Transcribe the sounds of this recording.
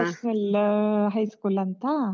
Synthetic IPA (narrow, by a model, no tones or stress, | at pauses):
əsəlɦajskulɐnt̪a